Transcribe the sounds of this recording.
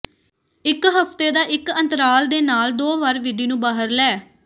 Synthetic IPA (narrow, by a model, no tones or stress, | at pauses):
ɪkɦəpt̪eːd̪aːʔɪkə̃nt̪əɾaːld̪eːnaːld̪oːʋəɾʋɪɖiːnũːbaːɦəɾlɛː